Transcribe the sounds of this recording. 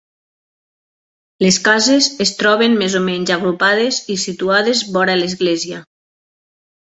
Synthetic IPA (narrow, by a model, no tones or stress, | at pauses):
leskazezest̪ɾɔβenmezomɛɲzaɣɾupaðezisit̪uaðezβɔɾalezɣlɛzia